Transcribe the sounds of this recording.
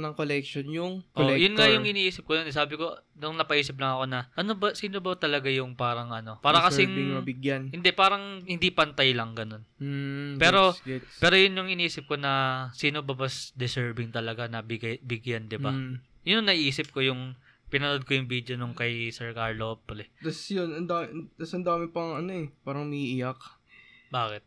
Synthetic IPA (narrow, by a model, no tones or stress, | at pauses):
nɐŋkolɛkʃonjʊŋʔojʊnŋajʊŋʔɪniːʔiːsɪp̚kod̪onɛs̬aːbɪko̞nʊŋnɐpɐʔiːsɪp̬̚lɐŋɐko̞nɐʔɐno̞bɐsiːno̞bɐt̪ɐlɐɡajʊŋpaːɾɐŋʔɐno̞paːɾɐkɐsɪŋɐbɪɡjanhɪnd̪ɛpaːɾɐŋhɪnd̪ipɐnt̪ajlɐŋɡɐno̞n̩ | pɛːɾo̞ppɛːɾo̞jʊnjʊŋʔɪniːsɪp̚ko̞nɐsiːno̞bɐbɐsd̪ɪsɛɹbɪŋt̪ɐlɐɡanɐbɪɡbɪɡjand̪ɪbajʊnɐŋnɐʔiːsɪp̚ko̞jʊŋ | pɪnɐnod̪̚kojʊŋbiːd̪jo̞noŋkɐjsɛɹkaɹlopɾɛt̪ɐsjʊnɐnd̪aːt̪ɐsɐnd̪aːmɪpɐŋɐnoɛpaːɾɐŋmɐʔiʔɪjakbaːkɪt̪̚